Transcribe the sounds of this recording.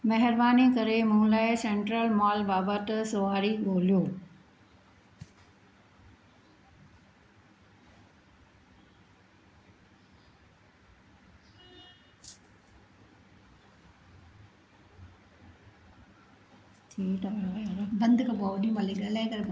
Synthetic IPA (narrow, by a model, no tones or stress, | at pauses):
mɐɦɪɾbaːnikɐɾemʊ̃ɦũlaːɪsẽːɳʈɾəlmaːlbaːbət̪sʊaːɾiɡoːlijoː | t̪ʰiːʈ̪ajɾbɐ̃nd̪kɐpoʋɗiũmɐliɡɐlakɐɾe